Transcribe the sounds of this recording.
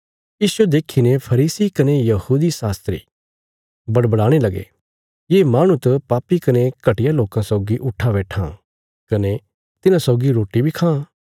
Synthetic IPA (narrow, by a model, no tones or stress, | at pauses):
jiːswed̪eːkʰinepʰɐɾiːsikɐnejɐhuːd̪isaːst̪ɾḭː | bɐɽbəɽaːɽ̃elɐɡḛ | jeːmaːɽ̃ũt̪ɐpaːpikɐnekɐʈɪjaloːkãsɔːɡiʔʊʈʰabɛːʈʰã̰ | kɐne | t̪ɪnãsɔːɡiɾoːʈibʱikʰãː